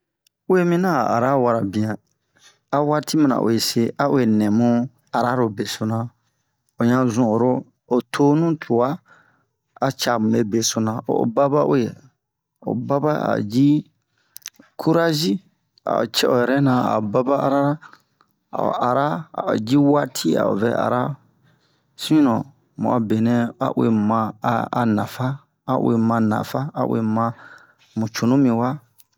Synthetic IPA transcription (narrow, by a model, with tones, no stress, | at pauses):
u˦e˦mĩ˦nã˦˨a̰˨ɾa˦wa˨ɾa˨bĩ˨ã˨ | a˨wa˦tʰi˦mã˨nã̰˨ʔo̰˨je˨se˦a˦o˦e˨nɛ̃˨mũ˦ | a˨ɾa˦ɾo˨be˨so˨nã˨ | o˨ɲã˦zũ˨o˨ɾo˦ | o˨tʰo˦nũ˦tʰu˨wa˦ | a˨t͡ʃa˨mũ˨e˦be˨so˨nã˨o̰˨ba˦ba˦ʔu˦je˨ | o̰˨ba˦ba˦a̰˨d͡ʒi˦ | kʰu˦ɾa˦ʒi˦ | a̰˨o˨t͡ʃɛ˦ʔɔ˨jɛ˨ɾɛ˦nã˨a̰˨ba˦ba˦a˨ɾa˦ɾa˦ | a̰˨o̰˨a˨ɾa˦a̰˨o˨d͡ʒi˦wa˦tʰi˦a̰˨o̰˨vɛ̰˨ʔa̰˨ɾa˦ | sĩ˦nɔ̃˨ | mṵ̃˨a˨be˨nɛ̃˦a̰˨ʔwe˨mã˧˨a˨nã˨faː˦˨ | ʔwe˨mã˧nã̰˨fa˦a˨wḛ˨mã˧ | mũ˨t͡ʃu˨nũ˦mĩ˨wa˦